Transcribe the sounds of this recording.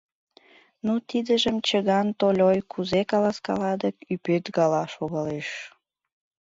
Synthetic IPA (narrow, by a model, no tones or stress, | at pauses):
nut̪id̪əʒəmt͡ɕəɣɑnt̪olʲojkʰuzekɑlɑskɑ̰lɑd̪əkypøt̪ɡɑlɑʃoɣɑleʃ